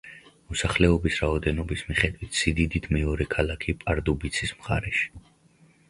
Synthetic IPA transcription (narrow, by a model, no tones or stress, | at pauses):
mɔsaχlɛɔbisɾaɔd̪ɛnɔbismiχɛd̪wit̪ʰsid̪id̪it̪ʰmɛɔɾɛkʰalˠakʰipʼaɾd̪ubit̪sʰismχa̰ɾɛʃi̥